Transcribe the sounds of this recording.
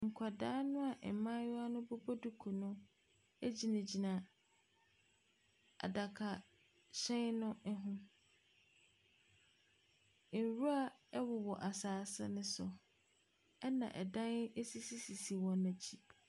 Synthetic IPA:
ŋ̩˨kʷʰa˨daː˦nʊ̃˦a˨ʔɛ˨mã˦jʊ˦a˦nʊ̃˦bo˦bo˦du˦kʰu˨nʊ̃˦ | e˦d͡ʑi˨nã˨d͡ʑi˨nã˨ | a̰˨da˨kʰa˨ | ɕɛ̃˦nnʊ̃˦ʔɛ˦ɦʊ̃˦ | n˨ɾu˦a˦ɛ˦wʊ˨wɔ˨ʔa˨saː˨˦sɛ̰˦nʊ̃˦sʊ̰˨ | ɛ˦nã̰˨ʔɛ̰˨dã˦ne˦si˦si˦si˨si˨wɔ̃˨nã˨d͡ʑʰi˦

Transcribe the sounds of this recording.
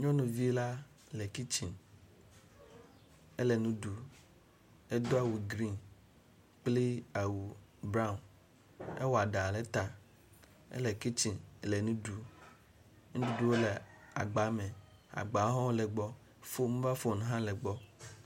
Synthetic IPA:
ɲɔ̃˦nũ˨vi˦la˦ | lɛ˨ki˦t͡ʃi˨n | ɛ˦le˨nũ˦ɖu˨ | e˦d̪o˦a˦˨wu˨ɡɾi˦˨n | k͡pli˦a˨wu˨bɾa˦u˨n | e˦wɔ˨a˨ɖa˨lɛ˦t̪a˨ | ḛ˦le˨ki˦t͡ʃi˨n˨le˨nũ˦ɖu˨ | ŋũ˦du˦du˨wo˦le˨a̰˨ɡ͡ba˨˦mẽ˨ | a̰˨ɡ͡ba˨˦ɦɔ̃˦wle˨ɡ͡bɔ˦ | fo˦mũ˦va˦fo˦˨nũ˨ɦã˦le˨ɡ͡bɔ˦

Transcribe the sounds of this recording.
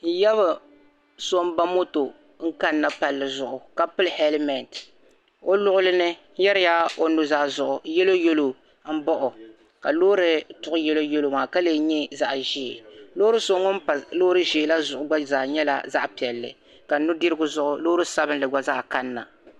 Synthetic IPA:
n̩˦jɛ˦βɨ˨ | so˦m˦ba˦mo˦to˨ | ŋ̩˦ka˦nːa˨pa˨lːɨ˨zʊ˨ʔʊ˨ka˨pɨ˦lhɛ˦lɪ˦mɛ˨nt | o˦lʊ˦ʔʊ˦lɨ˦nɨ˦jɛ˦ɾɪ˦ja˦o˨nu˨za˦˨zʊ˨ʔʊ˨jɛ˦lo˦jo˦lo˨˦ | bɔ˦ʔʊ˨ | ka˨loː˦ɾɨ˦tʊ˨ʔʊ˦jɛ˦lo˦jo˦lo˦maː˨ka˦le˨ɲɛ˦za˨ʔʒi˦˨lo˦ɾɨ˦so˦ŋo˦m̩˦pa˨loː˦ɾɨ˦ʒiː˨˦la˦zʊ˨ʔʊ˨ɡ͡ba˦zaː˨ɲɛ˦la̰˦za˦ʔpi˨ɛ˨lːɨ̰˨ | ka˨˦nʊ˦dɪ˦ɾɨ˦ɡʊ˦zʊ˦ʔʊ˨loː˦ɾɨ˦sa˦bɨ˦n˦lɨ˨ɡ͡ba˦zaː˦ka˦nːa˨

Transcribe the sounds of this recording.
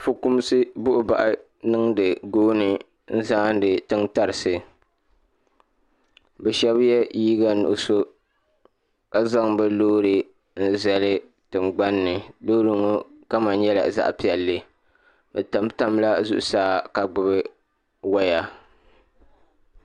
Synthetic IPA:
fʊ˨ku˦m˦sɨ˦bʊ˦ʔʊ˦ba̰˨ʔɨ˦ | nɨ˦ŋdɨ˨ɡoː˦nɨ˨ | n̩˦zaː˦n˦dɨ˨tɨ˦ŋta˨ɾɨ˨sɨ˨ | bɛ˨ʃɛ˦bjɛ˦jiː˦ɡa˦nṵ˨ʔʊ˨so˦ | ka˨za˦ŋbɛ˦loː˦ɾɨ˨ | n̩˦zɛ˨lɨ˦ | tɨ˨mɡ͡ba˦nːɨ˨loː˦ɾɨ˨ŋo˦ka˦ma˨n˦ɲɛ˦la̰˨za̰˦ʔpi˨ɛ˨lːɨ˦ | bɛ˨ta˨m˦ta˦m˦la˦zṵ˦ʔʊ̰˨saː˦ka˨ɡ͡bʊ˨bɨ˦ | wa˦ja˨

